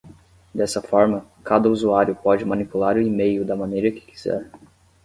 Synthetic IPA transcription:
d̪ɛsɐfɔɾmɐkad̪ɐuzuaɾjʊpɔd͡ʒɪmɐ̃nipulaɾʊimejʊd̪ɐmɐ̃nejɾɐkɪ̥ki̥z̥ɛ̰ɾ

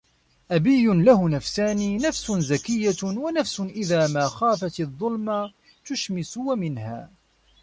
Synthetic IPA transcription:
ʔabijːʊnlahʊnafsaːniːnafsʊnzakɪjːawanafsʊnʔɪðaːmaːxaːfat̪ɪðˤːʊlma | t̪ʊʃmɪsʊwamɪnha̰ː

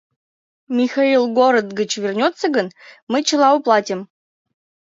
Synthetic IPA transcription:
mʲixailˠɡoɾəd̪ɡət͡ɕvʲerʲnʲot̪səɡənmɨt͡ɕə̆lˠɑoplˠɑtʲim

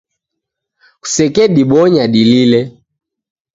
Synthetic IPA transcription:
ku̥sɛkɛɗiɓɔɲaɗililɛ

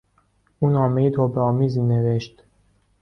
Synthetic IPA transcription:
uːnɒːmejit̪ʰoːbeɒːmiːzineveʃt̪

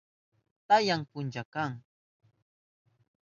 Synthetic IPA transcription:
t̪ajaŋpʊnt͡ʃakaŋ

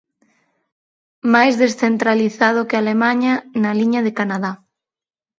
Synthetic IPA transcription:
majzðesθent̪ɾaliθað̞ʊkealemãɲanaliɲaðekanaða

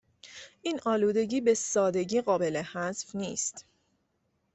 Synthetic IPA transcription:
ʔiːnʔɒːluːd̪e̞ɟiːbe̞sɒːd̪e̞ɟiːɢɒːbe̞lehæzfniːst̪

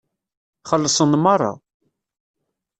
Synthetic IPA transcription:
χəlːsˤənmɑrˤːɑ̰

